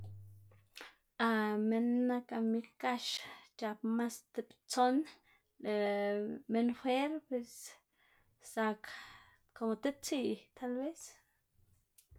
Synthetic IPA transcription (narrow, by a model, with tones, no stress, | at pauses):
a˨me˧nːa˦ka˨mi˧kka˦ʃt͡ʃa˧pma˦st̪e˧pt͡so˦n | le˨me˦nxʷe˦ɾpe˧s | sa˧k | ko˨mo˧t̪e˦p̚t͡si˦˨ʔt̪ʰa˦lbe˦s